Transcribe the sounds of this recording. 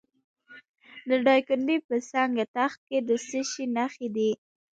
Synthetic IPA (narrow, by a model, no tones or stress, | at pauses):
d̪əɖɑjkʊnd̪epəsɑŋɡat̪axt̪̚ked̪əsəʃinaxed̪i